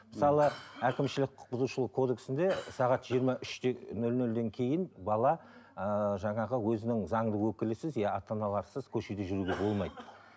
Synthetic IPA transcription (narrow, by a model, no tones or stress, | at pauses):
məsɑlˠəækʲɪmʃɪlɪk̚qʰʊ̥q̚bʊzuʃəlˠəqkʰo̞d̪e̞ksɪnd̪e̞sɑʁɑt̪ʒ̥ijəɾmɑʔʏʃt̪enɵlnɵld̪e̞ŋkʲʰe̞jɪnbɑlˠɑəʒɑɴɑʁəwɵzɪnɪŋzɑɴd̪əwɵkʲɪlɪsɪzjɑɑt̪ɑnɑlˠɑɾsəzkʲʰɵʃed̪eʒʏɾuɡʲe̞bo̞lˠmɑjd̪ə